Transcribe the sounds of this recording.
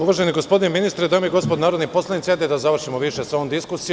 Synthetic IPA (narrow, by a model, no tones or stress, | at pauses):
uʋaʒeniɡospo̞d̪ineminist̪ɾed̪amiɡo̞spod̪naːɾod̪nipo̞slˠanit̪ʲjat̪ed̪azaʋr̩ʃimoʋiʃesoomd̪iskusi